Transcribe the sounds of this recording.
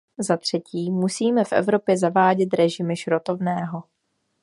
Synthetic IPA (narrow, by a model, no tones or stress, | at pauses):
zat̪r̝̥ɛciːmusiːmɛfʔɛ̰vɾo̞pjɛzavaːɟɛt̪ɾɛʒɪmɪʃɾot̪o̞vnɛːɦo̞